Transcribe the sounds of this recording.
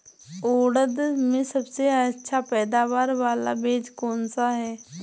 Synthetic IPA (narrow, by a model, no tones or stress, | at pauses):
oːɽəd̪mẽsɐbseətːʃʰapɛːd̪aːʋaːɾʋaːla̰beːd͡ʒkɔːnsaɦɛː